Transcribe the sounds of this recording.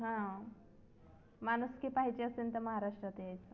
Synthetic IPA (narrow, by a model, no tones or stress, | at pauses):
ɦã | manuskipaɦit͡ɕeəsent̪eməɦaɾaʂʈɾət̪eajt͡s